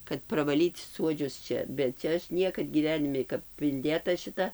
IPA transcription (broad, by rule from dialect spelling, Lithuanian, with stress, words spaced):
kɐt prɐʋɐˈlʲiːt ˈsuɔd͡ʒʲʊs ˈt͡ʃʲɛ bʲɛt ˈt͡ʃʲɛ ˈɐʃ ˈnʲiɛkɐt ɡʲiːˈʋʲæːnʲɪmʲɪ kɐp ɪnʲˈdʲeːtɐ ʃʲɪˈtɐ